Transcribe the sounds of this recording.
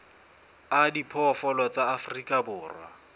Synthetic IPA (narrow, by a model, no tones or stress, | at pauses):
adipʰɔfɔlɔt͡saːfrikʼabʊːrwa̰